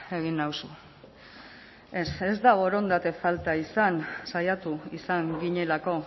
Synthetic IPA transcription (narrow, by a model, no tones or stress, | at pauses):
e̞ɣinawsu | e̞se̞zd̪aβo̞ɾo̞nd̪at̪e̞falt̪aisansajat̪uisaŋɡiɲe̞lako̞